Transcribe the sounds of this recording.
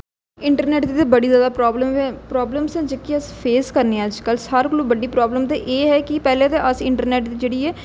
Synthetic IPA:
ɪɳʈəɾnɛːʈd̪iːt̪eːbəɽiːzjaːd̪aːpɾɔːbləmʋẽpɾɔːbləmsɛ̃ːd͡ʒəkːiːəspʰeːskəɾneːəd͡ʒkəlsəɾkəloːbəɖːiːpɾɔːbləmt̪eːʔeːɦɛːkɪpɛːlẽːt̪eʔəsɪɳʈəɾnɛːʈd̪iːd͡ʒeːɽiːɛː

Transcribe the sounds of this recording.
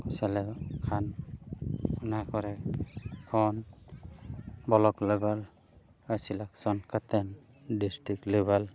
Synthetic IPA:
kɔsalɛkʰan | ɔnakʰɔɾɛ | kʰɔn | bɔlɔklebal | asilaksɔnkat̪ɛn | distiklebal

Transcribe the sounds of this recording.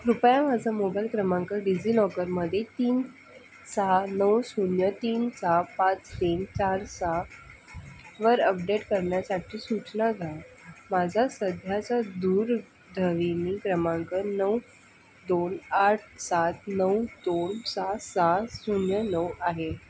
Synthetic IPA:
ɾupjãmad͡zʱamobailkɾəmãŋkəɾɖid͡ziːnɔkəɾməd̪ʱːjet̪iːn | saɦanəwsunjət̪iːnsapãt͡st̪iːnt͡ɕaɾsa | ʋəɾəp̚ɖeʈkəɾɳjasaʈʰiːsut͡snaɡʱa | mad͡zʱasəd̪ʱjat͡sad̪uːɾ | d̪ʱəʋinikɾəmãŋkəɾnəw | d̪onaʈʰsat̪nəwd̪onsasasunjənəwaɦe

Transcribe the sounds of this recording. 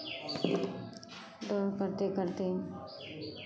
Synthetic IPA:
ɖ̪ɔːɾkəɾt̪ekəɾt̪e

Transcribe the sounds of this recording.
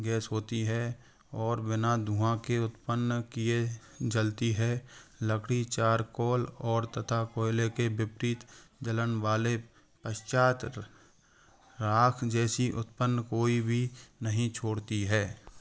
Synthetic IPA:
ɡɛːsɦoːt̪iɦɛ | ɔːɾbɪnad̪ʱũãkeʊt̪pənkie | d͡ʒəlt̪iɦɛːləkʰɽit͡ʃaːɾkɔːlɔːɾt̪ət̪ʰakoːɪlekebɪpɾiːt̪d͡ʒələnʋaːle | pəʃt͡ʃaːt̪ | ɾaːkʰd͡ʒɛːsiʔʊt̪pənːkoːibʱinəɦĩt͡ʃʰoːɽt̪iɦɛː

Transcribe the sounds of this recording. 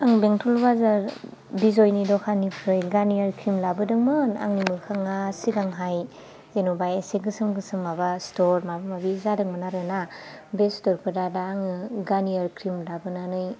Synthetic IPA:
aŋbeŋtʰɔlbazaɾ | bizojnidɔkʰanipʰɾɯjɡaniaɾkʰɾimlabɯdɯŋmɯna̰ŋnimɯkʰaŋasiɡaŋɦaj | zenobajeseɡɯsɯmɡɯsɯmːabastɔɾmabamabizadɯŋmanaɾɯnabestɔɾpʰɯdadaːŋɯɡaniaɾkʰɾimlabɯnanɯj

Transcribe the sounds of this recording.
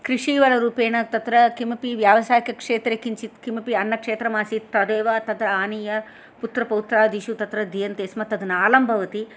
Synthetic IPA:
kɾiʂiːʋɐlɐɾuːpeːɳɐt̪ɐt̪ɾɐkimɐpiʋjaːʋɐsaːjikɐkʂeːt̪ɾekiɲt͡ʃit̪kimɐpiɐnːɐkʂeːt̪ɾɐmaːsit̪ɐd̪eːʋaːt̪ɐd̪ɾɐaːniːjɐ | put̪ɾɐpɐwt̪ɾaːd̪iʃut̪ɐt̪ɾɐd̪ʱijɐnt̪eːsmɐt̪ɐd̪ɐnɐaːlɐmbʱɐʋɐt̪i

